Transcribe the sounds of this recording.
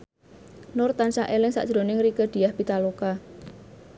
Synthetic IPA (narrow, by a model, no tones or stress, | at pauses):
nʊrt̪ansaʔelɪŋsa̰ʔʒ̥ɾo̤nɪŋrikəd̪̥i̤jahb̥it̪aloka